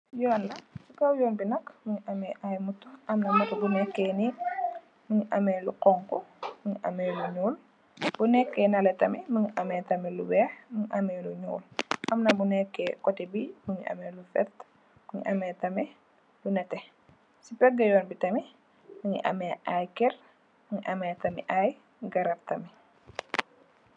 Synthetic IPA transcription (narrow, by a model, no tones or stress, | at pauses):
jɔːnlɐsikɐwjɔːnbinɐkmuɲiʔɐmɛʔajmutːuʔɐmnɐmɐtɐbunɛkːɛːni | muɲiʔɐmɛːluqɔŋkɔmuɲiʔɐ̰mɛːluɲuːl | b̥unɛkːɛnɐlɛtɐmɛmuɲiʔɐmɛːtɐmɛlubɛːxmuɲiʔɐmɛːluɲṵːlʔɐmnɐbunɛkːɛːkɔtɛbimuŋiʔɐ̰mɛlufɛt | muŋḭʔɐmɛːtɐmɛ | lunɐtɛ | sipɛɡːɐjɔːnbitɐmi | məŋḭʔɐ̰mɛːʔajkɛr | muŋiʔɐmɛːtɐmiʔaj | ɡɐɾɐp̚tɐmi